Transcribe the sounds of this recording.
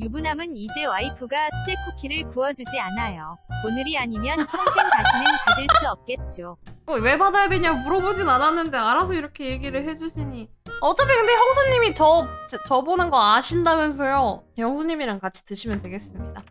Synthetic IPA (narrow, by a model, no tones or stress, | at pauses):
jubunɦamɯnid͡ʑewaipʰuɡasʰɯd͡ʑekʰukʰiɾɯɭpuʌd͡ʑud͡ʑianajoonɯɾiaɲimjʌnʌŋsʰenkainɯnkadɯɭs͈uʌp̚k͈e̞t̚t͡ɕ͈okowe̞badajadweɲamuɾʌbod͡ʑinananːɯnde̞aɾas̬ʰʌiɾʌkʰe̞je̞ɡiɾɯɭhe̞d͡ʑuɕʰiɲiʌt͡ɕ͈ap͈ʰːekɯnde̞çjʌŋsʰoɲːimit͡ɕʌt͡ɕt͡ɕʌbonɯnɡʌaɕʰindamjʌns̬ʰʌjoçjʌŋsʰoɲːimiɾankat͡ɕʰi̥tɯɕʰimjʌntwe̞ɡe̞s͈ɯmɲida